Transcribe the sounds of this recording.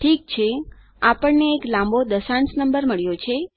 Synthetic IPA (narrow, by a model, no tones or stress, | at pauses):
ʈʰik̚t͡ʃʰe | apəɳneːklãmbod̪əsãɳsnəmbəɾməɭjot͡ʃʰe